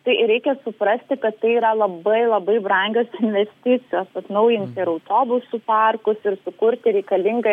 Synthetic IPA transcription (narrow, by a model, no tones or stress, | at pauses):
t̪ɐɪɾʲɛɪkʲɛsʊpɾɐsʲt̪ʲɪkɐt̪tːɐɪiːɾɐlˠɐbɐɪlˠɐbɐɪbrɐŋʲɡʲoːsɪnʲʋʲɛsʲt̪ʲɪt͡s̪ʲɪjoːsɐt̪nɐʊjɪnʲt̪ʲɪɾɐʊt̪oːbʊsuːpɑrkʊsɪɾsʊkʊɾʲt̪ʲɪɾʲɛɪkɐlʲɪŋɡɐ